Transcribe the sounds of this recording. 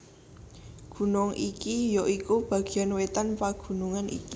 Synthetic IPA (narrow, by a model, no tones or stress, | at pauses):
ɡ̥ṳnʊŋʔikijoʔikub̥ä̤ɡ̥i̤anwet̪anpaɡ̥ṳnuŋanʔḭki